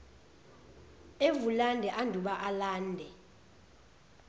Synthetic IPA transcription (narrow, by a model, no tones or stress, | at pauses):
evulandʱɛʔandʱuɓaʔalaːndʱɛ